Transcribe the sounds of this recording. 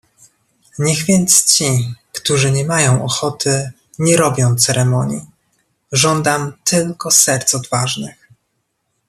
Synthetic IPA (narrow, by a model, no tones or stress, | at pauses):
ɲɛɣvʲjɛnt̪st͡ɕikt̪uʐɘɲɛmajɔ̃w̃ɔxɔt̪ɘ | ɲɛɾɔbʲjɔ̃w̃t̪sɛɾɛmɔɲi | ʐɔnd̪amt̪ʰɘlkɔsɛɾt̪sɔd̪vaʐnɘx